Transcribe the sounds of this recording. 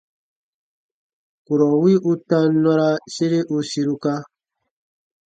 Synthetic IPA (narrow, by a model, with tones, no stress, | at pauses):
ku˨ɾɔ˨wi˦ʔu˦tã˦nɔ˦ɾa˦se˦ɾe˦ʔu˦si˦ɾu˦ka˦